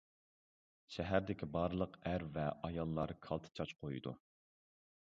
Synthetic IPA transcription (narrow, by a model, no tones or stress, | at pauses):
ʃɛɦæɾd̪ɪkʲʰibɑɾlˠəqæɾvɛʔɑjɑlˠːɑɾkʰɑlˠt̪ʰɨ̥t͡ʃʰɑt͡ʃqʰojid̪ṵ